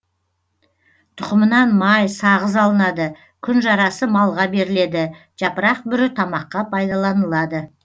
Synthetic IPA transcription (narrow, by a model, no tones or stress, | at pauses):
t̪ʰʊ̥qəmənɑnmɑjsɑʁəzɑlˠənɑd̪ə | kʲʰʏnʒɑɾɑsəmɑlˠʁɑbe̞ɾɪle̞d̪ɪ | ʒ̥ɑpəɾɑq̚bʏɾɪt̪ʰɑmɑqːɑpʰɑjd̪ɑlˠɑnəlˠɑd̪ə